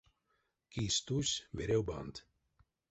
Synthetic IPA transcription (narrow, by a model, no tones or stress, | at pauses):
kist̪usʲvɛɾɛwba̰nd̪